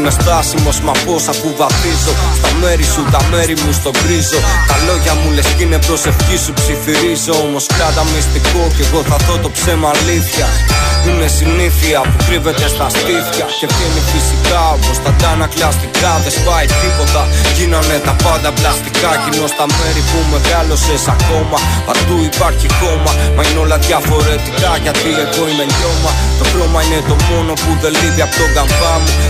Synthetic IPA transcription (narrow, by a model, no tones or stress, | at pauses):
nest̪ɐsimo̞zmɐpo̞sɐpuvɐθizo̞st̪ɐme̞ɾisut̪ɐme̞ɾimust̪o̞ɡɾizo̞t̪ɐlo̞ʝɐmulescine̞pɾo̞se̞fçisupsifiɾizeomo̞skɐd̪ɐmist̪iko̞ceɣo̞θɐðo̞t̪o̞pse̞mɐːliθçɐine̞siniθiɐpuk̪ɾive̞t̪e̞st̪ɐst̪iθçɐce̞penifisikɐopost̪ɐd̪ɐnɐklɐst̪ikɐðe̞spɐjt̪ipo̞t̪ɐʝinɐne̞t̪ɐpɐnd̪ɐplɐst̪ikɐcinost̪ɐme̞ɾipume̞ɣalo̞sesɐko̞mɐɐt̪uipɐɾçiko̞mɐmɐineo̞lɐt̪iɐfo̞ɾet̪ikɐʝɐt̪ie̞ɣo̞ineɲɟo̞mɐt̪o̞klo̞mɐinet̪o̞mo̞no̞puðe̞liviɐpot̪o̞ŋɡɐmbɐmu